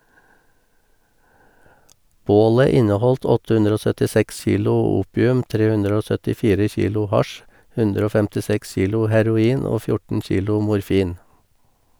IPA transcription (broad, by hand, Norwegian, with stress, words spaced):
ˈboːlə ˈɪnəˌhɔlt ˈɔtə ˈhʉndɾ ˈoː sœtɪˈsɛks ˈçiːlʊ ˈuːpɪʉm ˈtɾeː ˈhʉndɾ ˈoː sœtɪˈfiːɾə ˈçiːlʊ ˈhɑʃ ˈhʉndɾ ˈoː fɛmtɪˈsɛks ˈçiːlʊ hæɾʊˈiːn ˈoː ˈfjʊʈn̩ ˈçiːlʊ mʊɾˈfiːn